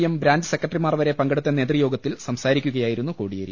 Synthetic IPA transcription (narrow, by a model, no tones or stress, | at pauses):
jɐmbɾaːɲd͡ʑɨsekːɐʈrimaːrʋɐɾe̞pɐŋɡɐɽut̪ːɐne̞ːt̪rijo̞ːɡɐt̪ːilsɐmsaːɾikʲːuɣɐjaːjiɾun̪ːukoːɽijɐɾḭ